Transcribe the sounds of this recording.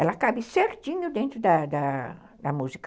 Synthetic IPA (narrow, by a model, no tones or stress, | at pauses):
ɛlɐkabisɛɾt̪ĩɲud̪ẽnt̪ɾʊd̪ɐd̪a | d̪ɐmuzik